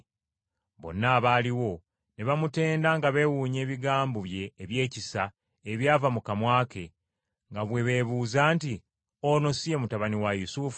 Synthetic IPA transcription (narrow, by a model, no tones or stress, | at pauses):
βo̞̰nːaːβaːliwo̞ | neβamute̞ːndaŋɡaβe̞wuːɲe̞ːβiɡaːmboβje̞ːβje̞ːcisa | eβjaːvamukamwaːke̞ | ŋɡaβweβe̞βuːzaːnti | ono̞siemutaβaniwajusufu